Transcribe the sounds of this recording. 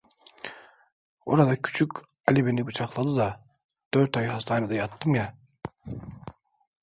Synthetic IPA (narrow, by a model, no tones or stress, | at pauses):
o̰ɾɑd̪ɑkʰy̥t͡ʃʰykʲ | alʲibenibut͡ʃʰɑqlˠɑd̪ɯd̪ɑ | d̪̥øɾt̪ɑjhɑst̪ʰɑːnad̪ɑjɑt̪ːɯmja